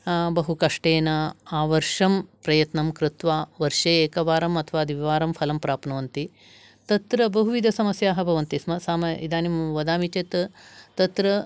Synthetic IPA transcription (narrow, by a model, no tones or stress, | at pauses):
bɐɦukɐʂʈeːnɐaːʋɐɾʂɐmpɾɐjɐt̪nɐmkɾɪt̪ʋaːʋɐɾʂeːeːkɐʋaːɾɐmɐt̪ʰɐʋaːɐd̪ʱiʋiʋaːɾɐmpʰɐlɐmpɾaːpnɐʋɐnt̪i | t̪ɐt̪ɾɐbɐɦuʋid̪ʱɐsɐmɐsjaːɦɐbʱɐʋɐnt̪ismɐsaːmɐḭd̪aːnimʋɐd̪aːmit͡ʃet̪t̪ɐt̪ɾɐ